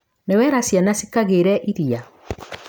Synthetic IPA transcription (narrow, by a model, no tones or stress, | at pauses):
newɛɾasjanasikaɣeɾɛʔiɾia